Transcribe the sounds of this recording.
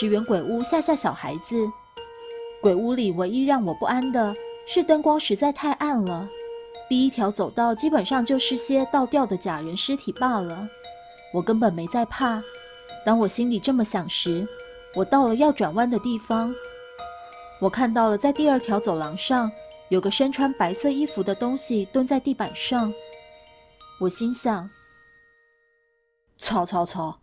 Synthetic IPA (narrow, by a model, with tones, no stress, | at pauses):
ʈ͡ʂɻ̩˧˥ɥɛ˧˥nkwe˨˩ɪu˥ɕja˥˧ɕja˥˩ɕjɑ˨˩ʊxa̰˧˥ɪd͡zɹ̩˧ | kwe˨˩ɪu˥li˨˩we˧ɪi˥ɻɑ˥˩ŋwɔ˨˩pu˥˩a˥nd̪ə˨ʂɻ̩˥˩t̪ə˥nkwɑ˥ŋʂɻ̩˧˥t͡sa˥˧ɪt̪ʰa˥˧ɪʔa˥˩nlə˩t̪i˥˩i˦˥t̪ʰjɑ˧˥ʊt͡so˨˩ʊt̪ɑ˥˩ʊt͡ɕi˥pə˨˩nʂɑ˥˧ŋt͡ɕjo˥˧ʊʂɻ̩˥˩ɕjɛ˥t̪ɑ˥˧ʊt̪jɑ˥˩ʊd̪ə˩t͡ɕja˨˩ɻə˧˦˥nʂɻ̩˥t̪ʰi˨˩pa˥˩lə˩ | wɔ˨˩kə˥npə˨˩nme˧˥ɪt͡sa˥˧ɪpʰa˥˩ | t̪ɑ˥ŋwɔ˨˩ɕi˥nli˨˩ʈ͡ʂɤ˥˩mə˩ɕjɑ˨˩ŋʂɻ̩˧˥ | wɔ˨˩t̪ɑ˥˩ʊlə˩jɑ˥˩ʊʈ͡ʂwa˨˩nwa˥nd̪ə˨˧t̪i˥˩fɑ˥ŋ | wɔ˨˩kʰa˥˧nt̪ɑ˥˩ʊlə˩t͡sa˥˧ɪt̪i˥˧ə˞˥˩t̪ʰjɑ˧˥ʊt͡so˨˩ʊlɑ˧˥ŋʂɑ˥˩ŋjo˨˩ʊɡə˦ʂə˥nʈ͡ʂʰwa˧˥npa˧˥ɪsɤ˥˩i˥fu˧˥d̪ə˧t̪ʊ˥ŋɕi˨˩t̪wə˥nt͡sa˥˧ɪt̪i˥˩pa˨˩nʂɑ˥˩ŋ | wɔ˨˩ɕi˥nɕjɑ˨˩ŋ | t͡sʰwɑ˧˥ʊt͡sʰwɑ˧˥t͡sʰwɑ˧˥ʊ